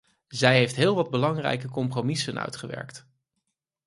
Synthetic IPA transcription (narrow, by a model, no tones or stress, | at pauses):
zɛjɦejftɦɪːlˠʋɑd̚bəlɑŋrɛ̰jkəkɔmpromisənœ̰ɥtχəʋɛ̰ɹkt